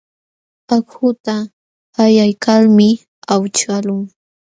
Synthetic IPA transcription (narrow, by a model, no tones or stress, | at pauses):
akhʊt̪a | ajajkalmɪ | awt͡ʃalʊŋ